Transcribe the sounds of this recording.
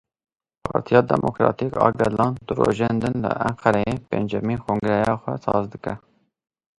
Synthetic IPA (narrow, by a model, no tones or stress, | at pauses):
pʰɑːɾt̪ʰijɑːd̪ɛmʔokɾɑːt̪ikɑːɡɛlɑːnd̪ɨɾoːʒeːnd̪ɨnlɨ̰ʔæŋqʰɛɾɛjepend͡ʒɛmiːkʰoŋɡɾɛjɑːxʷɛsɑːzd̪ɨkɛ